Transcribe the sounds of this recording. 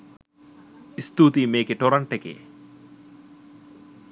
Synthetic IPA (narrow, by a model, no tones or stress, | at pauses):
ist̪uːt̪imeːkeʈoɾɐɳʈekḛː